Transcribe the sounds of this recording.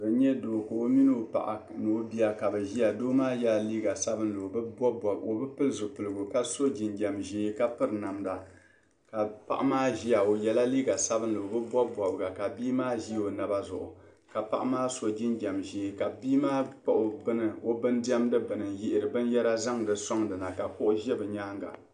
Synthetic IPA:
bɨ˨ɲɛ˦doː˨ka˨o˦mi˦nɨ˦o˦˨pa̰˨ʔa̰˨nɨ˨o˦bi˦a˦ka˨bɨ˨ʒi˦a˨doː˦maː˦ja˦˨liː˦ɡa˨sa˦bɨ˦nlo˨bbɔ˦bɔ˨o˨bɨ˦pɨ˦lzʊ˨pɨ˨lɨ˨ɡʊ˨ka˦so˦d͡ʒi˨nd͡ʒa˨mʒiː˦ka˦pɨ˦ɾna˨mda˨ | ka˨pa̰˦ʔa˦maː˦ʒi˦a˨o˨jɛ˨la˦liː˦ɡa˨sa˦bɨ˦n̩˦lo˨bɨ˦bʷɔ˦bʷɔ˨bɨ˨ɡa˨ka˨biː˦maː˦ʒi˦o˨na˨ba˦zʊ̰˨ʔʊ̰˨ | ka˨pa˦ʔa˦maː˦so˦d͡ʒi˦nd͡ʒa˨mʒeː˨˦ka˨biː˦maː˦k͡pa˦ʔo˨bɨ˦nɨ˨o˦bɨ˦ndi˦ɛ˦mdɨ˦bɨ˨nɨ˨njɪ˦ʔɪ˨ɾɨ˨bɨ˦njɛ˦ɾa˦za˦ŋdɨ˨sɔ˦ŋdɨ˨na˨ka˨kʊ˦ʔʊ˦ʒɛ˦bɨ˨ɲaː˦ŋɡa̰˨

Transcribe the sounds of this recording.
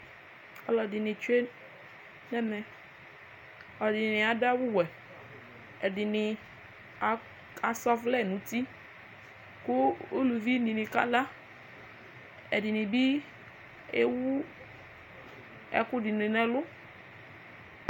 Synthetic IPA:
ɔ˨lɔ˨dɪ˨nɪ̃˨t͡ʃe˦ | nɛ˦mɛ̃˨ | ɔ˨dɪ˨nɪ̃˨nɪ̃˨a˨da˦wu˦wɛ˨ | ɛ˨dɪ˨nɪ̃˨ | a˨sɔ˦flɛ˦˨nũ˨˦t̪i˦ | kʊ˦o˦lu˨vi˦nĩ˨nĩ˨ka̰˦la˦ | ɛ̰˨dɪ˨nɪ̃˨bi˦ | e˦wu˦ | ɛ̰˦kʊ˦ɖɪ˨nɪ̃˨nɛ̃˨lʊ˦

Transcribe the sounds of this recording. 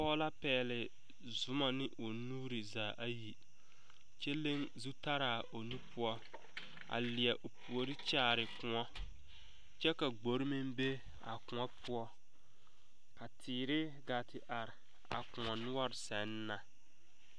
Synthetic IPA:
pɔː˦la˦pɛː˨lɪ˨ | zʊ˦ma˨nɪ˦ʔo˨nuː˦ɾɪ˨zaː˨ʔa˦ji˨ | t͡ʃɛ˦le˦ŋzu˦ta˦ɾaː˨o˨nu˦pʊ˦ɔ˦ | a̰˨lɪ˨ɛ˨ʔo˨pu˨o˨ɾɪ˦t͡ʃaː˦˨ɾɪ˨kʊ˨ŋɔ˦ | t͡ʃɛ˦ka˨ɡ͡bo˨ɾɪ˦mi˦mbe˦ | a̰˨kʊ̃˨ŋɔ˦pʰʊ˦ɔ˦ | ka˨tʰiː˨ɾɪ˦ | ɡa˨tɪ˨ʔa˨ɾɪ˨ | a̰˨kʊ˨ŋɔ˨nʊ˦ɔ˦ɾɪ˨sɛ˨˦nː˦a˨

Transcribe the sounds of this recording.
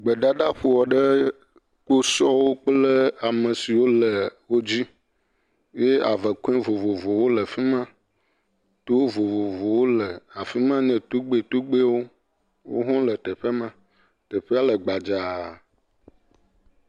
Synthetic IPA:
ɡ͡bə˨ɖa˦ɖa˦ɸu˨wɔ˨ɖə˦ | k͡po˦sɔ˦wo˦k͡plə˦a˨mə̃˨si˨wo˦lə˨wo˦d͡ʑi˦ | je˦a˨və˨ku˦ẽ˦vo˨vo˨vo˨wo˦lə˨fi˦mã˦ | t̪o˦wo˦vo˨vo˨vo˨wo˦lə˨a˨fi˦mã˦ɲɛ̃˨t̪u˦ɡ͡be˦˨t̪u˦ɡ͡be˦wo˦ | wo̰˦ɦɔ̃˦lə˨t̪ɛ˨ɸe˦mã˦ | t̪ə˨ɸe˦a˦lə˨ɡ͡ba˨d͡ʒa˨

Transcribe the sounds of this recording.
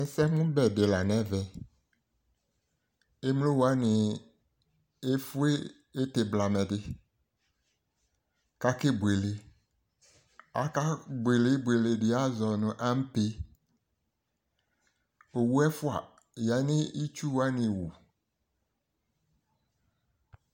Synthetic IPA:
ɛ˨sɛ˦mʊ̃˦bɛ˨dɪ˨la˨nɛ̃˦vɛ˨ | e˦m˦lo˦wa˦nɪ˨ | e˦fʊ˦eː˦ | tɪ˨bla˨mɛ˨dɪ˦ | ka˦kɪ˦bu˨e˨le˨ | a˦ka˦bʊ˨e˨lɪ˦bu˨e˨lɪ˨dɪ˨a˦zɔ˨nʊ̃˨ʔa˦m˦pe˦ | o˨wu˦ɛ˦fʊ˦a̰˨ | ja˨˦nɪ̃˦i˦t͡ʃu˦wa˦nɪ̃˨wu˨

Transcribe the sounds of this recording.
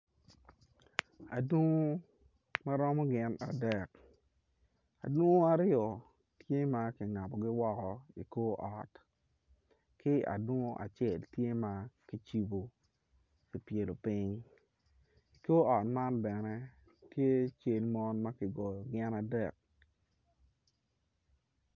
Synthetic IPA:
a̰˨dwo˦ŋo˦ | ma˦ɾɔ˦mɔ˦ɡɪ˦na̰˨dɛ˨k̚ | a̰˨dwo˦ŋo˦a˨ɾjɔ˨ | tje˦ma˦kɪ˨ŋa˨bɔ˨ɡɪ˦wɔ˦kɔ˨ḭ˨ko˦ʔɔ˨t | kɪ˦a̰˨dwo˦ŋo˦ʔa̰˨t͡ʃe˨ltje˦ma˦ki˦t͡ʃi˦bo˨ | ki˨pje˨lo˨pɪ˦ɲ | i˨ko˦ɔ˨tma˦nbɛ˨nɛ˦ | tje˦t͡ʃe˦lmɔ˦nma˦kɪ˨ɡɔ˨jɔ˨ɡɪ˦na˨dɛ˨k̚

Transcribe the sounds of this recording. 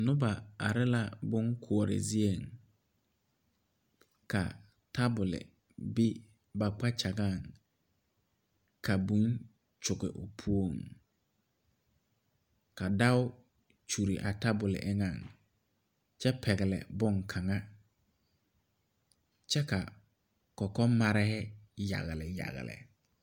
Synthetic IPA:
nʊ̃˦ba˨a̰˨ɾɪ˦la˦bʊ̃˦ŋkʰʊ˨ɔ˨ɾɪ̰˨zi˦e˨ŋ | kʰa̰˨ | tʰa˦bʊ˨lɪ̰˨ | bi˦ | ba˨k͡pa˦t͡ɕʰa˨ɡa˦˨ŋ | kʰa˨bũ˦n | t͡ʃʊ˨ɡɪ˨ʔʊ̰˨pʰu˦o˦˨ŋ | ka˨da˦ʊ˦ | t͡ʃu˨ɾi˨ʔa˨ta˦bʊ˨lɪ̰˨ʔɛ˦ŋã˨ŋ | t͡ʃɛ˦pʰɛ˨ɡɛ˨lɛ̰˨bʊ˦ŋkʰa˨ŋa˦ | t͡ʃɛ˦ka˨ | kɔ˨kɔ˦ma˦ɾɛ˦hɛ˦ja̰˨ɣɪ˨lɪ˨ja̰˨ɣɪ̰˨lɪ̰˨

